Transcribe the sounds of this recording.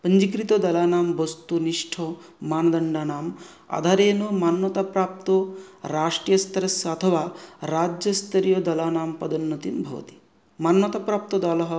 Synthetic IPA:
pɐɲd͡ʒikɾit̪od̪ɐlaːnaːmʋɐst̪uniʂʈʰo | maːnɐd̪ɐɳɖaːnaːm | a̰ːd̪ʱaːɾeːnumaːnwɐt̪aːpɾaːp̚t̪oɾaːʂʈɾijɐst̪ɾɐsjɐɐt̪ʰɐʋaːɾaːd͡ʒjɐst̪ʰɐɾijod̪ɐlaːnaːmpɐd̪ɐnːɐt̪imbʱɐ̰ʋɐ̰t̪i̥ | maːnwɐt̪apɾaːp̚t̪od̪ɐlɐɦɐ

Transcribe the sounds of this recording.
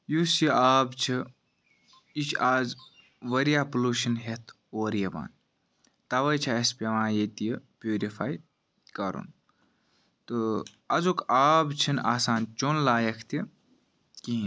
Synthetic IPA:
jusjiaːbt͡ʃʰi | it͡ʃʰaːz | ʋɐɾjaːpuluʃɐnɦet̪ʰ | oːɾjɐba̰ːn | t̪ɐʋɐjt͡ʃʰaɐspʲeʋãːjet̪ijəpjuːɾifaːj | kɐɾṵn | t̪ɨ | ɐzokaːbt͡ʃʰinaːsaːnt͡ʃonlaːjɐkʰt̪i | kiɦ

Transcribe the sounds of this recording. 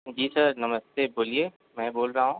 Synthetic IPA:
d͡ʒiːsɐɾnɐməst̪eboːlieː | mɛ̃boːlɾaːɦũː

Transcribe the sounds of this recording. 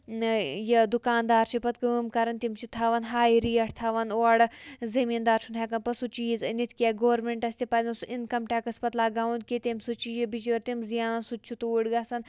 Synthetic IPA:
jɐd̪ukaːnd̪aːɾt͡ʃʰipɐt̪kɐmkɐɾɐnt̪imt͡ʃʰit̪ʰaːʋɐnɦaːjiɾiːɐʈʰt̪ʰaːʋɐnoɐɽzɐmiːnd̪aːɾt͡ʃʰunɦeːkɐnpɐsut͡ʃiːznit̪ʰkijaːɡoːɾmẽɳʈɐsʲt̪ipɐzʲɐnsuʔinkɐmʈʲaːkɐspɐt̪laːɡaːũnd̪̚kit̪emsut͡ʃʰijibit͡ʃʋɐɾt̪imzijaːnɐnsut͡ʃʰut̪uːɽɡaːsɐn

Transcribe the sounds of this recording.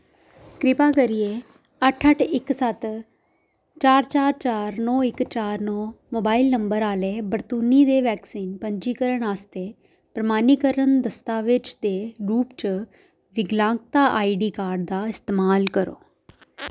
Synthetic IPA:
kɾɪpaːkəɾɪjeː | əʈʰəʈʰɪksət̪ | t͡ʃaːɾt͡ʃaːɾt͡ʃaːɾnɔ̃ːɪkt͡ʃaːɾnɔ̃ːmoːbaːilnəmbəɾaːleːbəɾt̪uːniːd̪eːʋɛːksiːnpəɲd͡ʒiːkəɾəɳaːst̪eː | pɾəmaːniːkəɾənd̪əst̪aːʋɪt͡ʃd̪eːɾuːpt͡ʃ | ʋɪɡlãːŋk̚t̪aːʔaːiːɖiːkaːɾɖ̚d̪aːɪst̪eːmaːlkəɾo̰ː

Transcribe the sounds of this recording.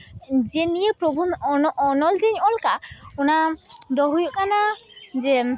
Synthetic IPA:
d͡ʒenijepɾobʱuɔnɔld͡ʒeɲɔlkaɔnad̪ɔɦujoʔkanad͡ʒe

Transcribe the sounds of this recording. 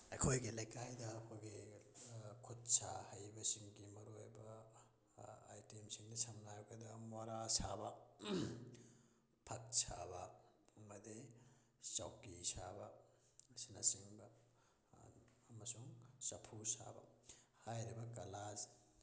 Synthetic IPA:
ɐ̰kʰojɡilɐjkajdɐːkʰojɡi | kʰut̚sa̰hɐjbɐsiŋɡimɐɾojbɐ | a̰jtemsiŋdɐsɐmnajɡɐdɐmwaɾasabɐ | pʰɐk̚sa̰bɐɐmɐdi | sawkisabɐ | sinɐsiŋbɐ | mɐsuŋsɐpʰusa̰bɐ̰hajɾibɐkɐlaz

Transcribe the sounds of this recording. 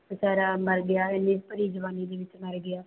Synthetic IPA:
saːɾaːməɾɡɪjaːɪnːĩːpəɾiːd͡ʒəʋaːniːd̪eːʋɪt͡ʃməɾɡɪaː

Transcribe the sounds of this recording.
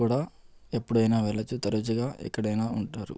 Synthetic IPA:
uːɽaːe̞pːuɽɐjnaːʋɛɭːɐt͡ʃːut̪ɐɾɐt͡ʃuɡaːʔɛ̰kːɐɽɐjnaːuɳʈaːɾṵ

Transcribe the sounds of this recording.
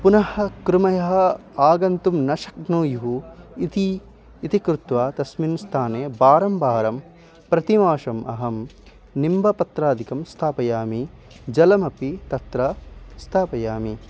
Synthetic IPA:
punɐhɐ̆kɾumɐjɐɦɐaːɡɐnt̪umnɐʃɐk̚nuːjuɦuit̪iː | t̪ikɾut̪ʋaːt̪ɐsminst̪ʰaːneːbaːɾɐmbʱaːɾɐm | pɾɐt̪imaːʂɐmʔɐ̰ɦɐm | nimbʱɐpɐt̪ɾaːd̪ʱikɐmst̪ʰaːpɐjaːmi | d͡ʒɐlɐmɐpit̪ɐt̪ɾɐst̪ʰaːpɐjaːmi

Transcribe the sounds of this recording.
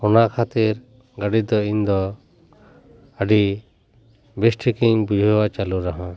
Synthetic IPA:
ɔnaʔkʰat̪iɾ | ɡaɖid̪ɔind̪ɔ | əɖi | besʈʰikiŋbud͡ʒʱɔwat͡ʃaluɾaɦã

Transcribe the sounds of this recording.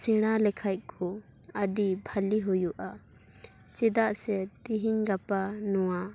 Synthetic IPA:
sɛɽ̃alɛkʰajt̪̚ˀkʰɔ | əɖibʱaliɦɔjuʔa | t͡ʃɛd̪aʔsɛt̪iɦiɲɡapanɔwa

